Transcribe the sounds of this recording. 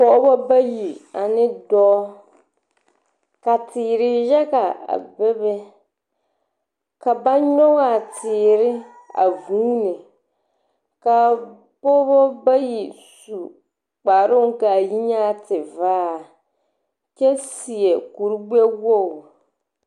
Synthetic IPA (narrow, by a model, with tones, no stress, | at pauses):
pɔ˦˨˦bɔ˦ba˦ji˨a˨nɪ˦dɔː˦ | ka˨tɪː˨ɾɪ˦jɛ˦ka˨a̰˨bɛ˦bɛ˦ | ka˨ba˦ɲɔ˦ŋa˨tʰɪː˨ɾɪ˦ | a̰˨vuː˦nɪ˨ | ka˨ | pɔ˦bɔ˦ba˦ji˨ | su˨ | k͡pa˨ɾʊ˦ŋ˦ka˨ji˦ɲa˦tɪ˨vaː˦˨ | t͡ʃɛ˦si˨ɛ˨ku˨ɾɡ͡bɛ˦wo˦˨